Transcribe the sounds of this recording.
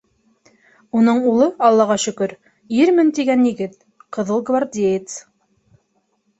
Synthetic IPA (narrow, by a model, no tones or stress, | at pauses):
unɤɴulˠɤɑlˠːɑʁɑʃɵ̆kɵɾ | iɾmɘnt̪iɡænjiɡɘt̪̚ | qɤ̆ðɤlˠɡvaɾd̪ʲejɪt̪s